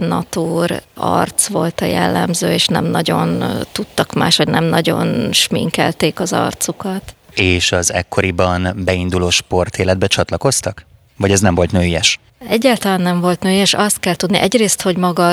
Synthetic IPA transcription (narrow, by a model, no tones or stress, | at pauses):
nɒ̰t̪uːrɒ̰rt̪sʋo̞lt̪ɒjɛ̰lːɛ̰mzøːeːʃnɛ̰mnɒɟo̞̰nt̪ut̪ːɒkma̰ːʃhoɟnɛmnɒɟo̞̰nʃmḭŋkɛ̰lt̪eːkɒzɒ̰rt̪sukɒt̪eːʃɒzɛ̰kːo̞ɾibɒnbɛind̪uloːʃpo̞rt̪eːlɛd̪̚bɛt͡ʃɒt̪lɒko̞st̪ɒk | vɒɟɛznɛmvo̞lt̪nøːjɛʃ | ɛɟːaːlt̪ɒlaːnːɛɱvo̞lt̪nøːjɛʃɒst̪̚kɛlt̪ud̪niʔɛɟreːst̪ho̞ɟmɒɡɒ